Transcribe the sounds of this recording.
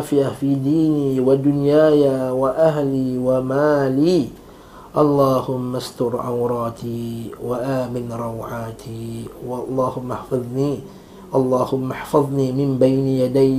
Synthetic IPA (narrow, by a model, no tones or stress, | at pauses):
fɪʔafiːd̪iːniːwad̪ʊnjaːjaːwaʔaɦliːwamaːliː | ʔɑlˤːɑːhʊmːast̪ʊɾʕa̰wɾˤɑːt̪iːwaʔaːmɪnɾˤɑwʕaːt̪ʰiːwlˤːɑːhʊmːaħfɑðˤniː | ʔɑlˤːɑːhʊmːaħfɑðˤniːmɪmbajnjad̪aj